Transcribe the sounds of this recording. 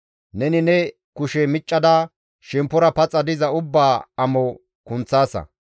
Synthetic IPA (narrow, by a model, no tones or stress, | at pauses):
nɛnɪnɛ | kʊʃɛmɪt͡ʃʼːɐd̪a | ʃɛmpːʊɾɐpɐt͡sʼːɐd̪ɪzɐʊbːaːɐmɔ | kʊnt͡sːaːsɐ̰